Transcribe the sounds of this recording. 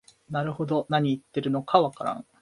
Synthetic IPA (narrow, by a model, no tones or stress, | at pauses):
naɾɯ̟ho̞d̪o̞naɲ̟iːt̪ːe̞ɾɯ̟no̞kʰaβakaɾã̰ŋ̃